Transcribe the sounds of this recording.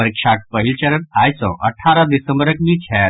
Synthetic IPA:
əɾikʂaʈ̚pəɦilt͡ɕəɾənajsɔ̰̃ʔə̰ʈʰaɾad̪isə̃mbəɾəkʋiːt͡ʃʰɛ

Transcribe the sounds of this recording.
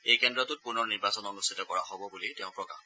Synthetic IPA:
ejkɛndɹɔtʊt̚puɹnɔɹniɹbasɔnɔnustʰitɔkɔɹaɦobɔbulitɛʊ̃pɹɔka̰

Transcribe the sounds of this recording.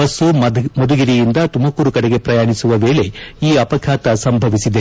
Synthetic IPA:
ɐsumod̪uɡiɾijind̪ɐt̪umɐkuːɾukɐɽeɡe̞pɾɐjaːɳisuʋɐʋe̞ːɭe̞iːɐpɐkʰaːt̪ɐsɐmbʱɐʋisid̪e

